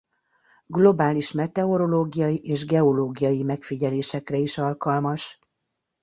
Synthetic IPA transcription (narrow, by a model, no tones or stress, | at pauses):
ɡlo̞baːliʃmɛt̪ɛo̞ɾo̞loːɡijɒjiʔeːʒɡɛo̞loːɡijɒjimɛkfiɟɛleːʃɛkrɛiʃɒlkɒlmɒʃ